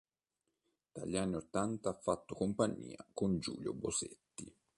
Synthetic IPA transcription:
d̪̥a̰ʎːianːiot̪ːant̪aafːat̪ːokompaɲːḭːa̰kond͡ʒṵːljobosḛt̪ːi

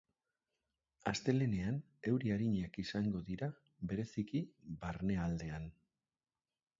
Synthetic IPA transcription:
ast̪e̞le̞ne̞an | e̞wɾiaɾiɲakisaŋɡo̞ðiɾa | βe̞ɾe̞sikiβaɾne̞ald̪e̞an

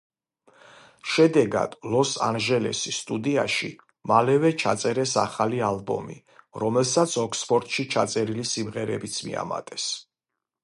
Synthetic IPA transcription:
ʃɛd̪ɛɡa̰d̪̥lɔsa̰nʒɛlɛ̰sist̪ʼud̪iaʃḭ | malɛvɛt͡ʃʰa̰t̪sʼɛɾɛsa̰χalialˠbɔ̰mḭ | ɾɔmɛlˠsat̪sʰɔkʰspʰɔɾt̪ʼʃit͡ʃʰat̪sʼɛɾilisimʁɛɾɛbit̪sʰmḭa̰ma̰t̪ʼɛs

